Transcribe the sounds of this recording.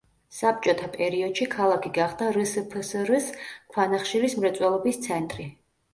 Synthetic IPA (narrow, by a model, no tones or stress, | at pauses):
sap̚t͡ʃʼɔt̪ʰapʼɛɾiɔd̪ʃikʰalˠakʰiɡaχd̪aɾəsəpʰəsɾəskʰwanaχʃiɾismɾɛt̪sʼwɛlˠɔbist̪sʰɛnt̪ʼɾi